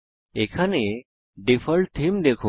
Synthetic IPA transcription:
ekʰane | ɖifʰəɭt̪ʰimd̪ekʰu

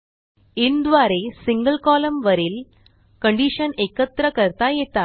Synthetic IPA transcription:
ind̪ʋaːɾesiŋɡɐlkaːlɐmʋɐɾil | kɐɳɖiʂɐnekːɐt̪ɾɐkɐɾt̪ajeːt̪ːaː

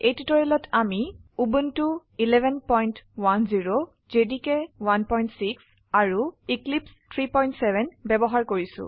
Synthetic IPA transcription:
ejtitɔɹilɔtʰamiubuntuilɛbʱɛnpɔjntwanziɹo | zedikɛwanpɔjntsiks | aɹuiklipstʰɹipɔjntsɛbʱɛnbɛbɔɦaɹkoɹisʊ̰̃

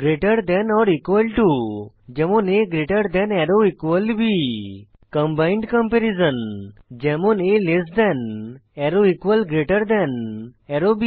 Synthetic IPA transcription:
ɡɾeʈəɾd̪ɛ̃nɔɾikʋəlʈud͡ʒɛmuneɡɾeʈəɾd̪ɛ̃nɛɾoikʋəlbi | kə̃mbaɪ̃ɳɖkə̃mpɛɾizə̃nd͡ʒɛmonelesd̪ɛn | ɛɾoikʋəlɡɾeʈəɾd̪ɛn | ɛɾobi

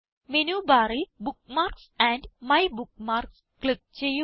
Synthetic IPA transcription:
menuːbaːɾilbukmaːrksæ̃ndmɐjbukmaːrks | klik̚t͡ɕejːu

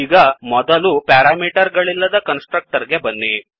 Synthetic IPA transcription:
iːɡɐmɔd̪ɐlupaːɾaːmiːʈɐɾɡɐɭilːɐd̪ɐkɐnsʈɾɐk̚ʈɐɾɡe̞bɐnːi

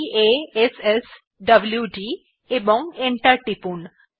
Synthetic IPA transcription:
eeses | ɖɐbljuɖi | ebɔŋeɳʈaɾʈipun

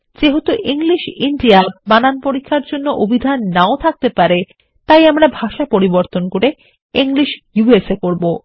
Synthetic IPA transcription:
d͡ʑeɦɔt̪oʔiŋliʃiɳɖiabananpoɾikʰːaɾd͡ʑonːoʔobʱid̪ʱanːaot̪ʰak̚t̪epaɾe | t̪ajamɾabʱaʃapoɾiboɾt̪onkoɾe | iŋliʃjuesekoɾbo

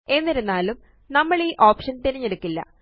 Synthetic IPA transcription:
e̞nːiɾunːaːlum | nɐmːɐɭiːʔo̞ːpʂɐnt̪iɾiɲːeɽukːilːɐ̰

